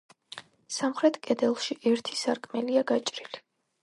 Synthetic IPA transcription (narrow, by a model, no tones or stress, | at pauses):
samχɾɛt̪ʰkʼɛd̪ɛlˠʃiʔɛɾt̪ʰisaɾkʼmɛliaɡat͡ʃʼɾili